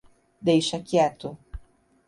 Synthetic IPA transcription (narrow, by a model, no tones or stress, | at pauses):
d̪ejʃɐkiɛt̪ʊ